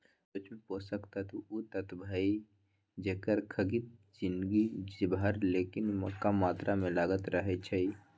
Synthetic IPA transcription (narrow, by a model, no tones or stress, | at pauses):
sot͡ʃʰmẽpoːsəkt̪at̪ʰuut̪ət̪bʱai | d͡ʒekəɾkʰəɡit̪̚ | d͡ʒɪnd̪ɡid͡ʒibaɾleːkɪnməkːamaːt̪ɾʔamẽlaɡət̪ɾəɦɛt͡ʃʰəi